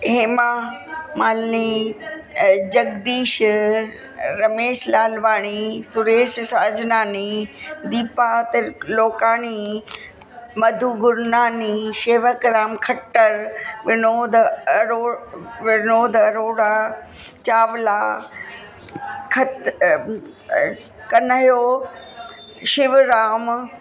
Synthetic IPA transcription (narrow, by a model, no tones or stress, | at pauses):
ɦeːmaːmaːlni | d͡ʑɐɡd̪iːʃ | ɾɐmeːʃlaːlʋaːɽ̃isʊɾeːʃsaːd͡ʑnaːnid̪iːpat̪ɐloːkaːñi | mɐd̪ʱuːɡʊɾnaːniʃeːʋəkɾaːmkʰɐʈːəɾʋɪnoːd̪ɐɾoːʋɪnoːd̪ɐɾoːɽaːt͡ɕaːʋlaː | kʰɐt̪ | kɐnəɦjoː | ʃɪʋɾaːm